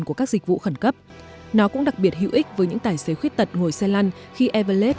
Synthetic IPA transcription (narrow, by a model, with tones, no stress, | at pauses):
nku˧˩əkaː˦˥k̚zï˨k̟̚vṵ˧˨xə˧˩nkə˦˥p̚nɔ˨˦kʊ̰˧˥ŋ͡mɗa˨˩k̚ɓi˨˩ət̚hḭ˧˨wʔi˦˥k̟̚vəː˨˦jɲɨ̰˧˥ŋt̪aː˨˩jse˨˦xwi˦˥ət̚t̪ə˨˩t̚ŋo˨˩jsɛ˧la˧nxi˧ʔɛ˧və˧le˦˥t̚